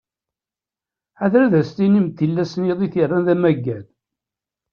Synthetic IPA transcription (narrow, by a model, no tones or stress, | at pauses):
aðɾæðæst̪inimt̪ːilːæsniðˤiθirːænðæmæɡːæð